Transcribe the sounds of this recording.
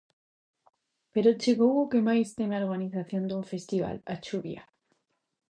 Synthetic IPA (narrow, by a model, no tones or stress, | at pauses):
peɾot͡ʃeɣowokemajst̪emeaoɾɣaniθaθjond̪uɱfest̪iβa̰lat͡ʃuβja̰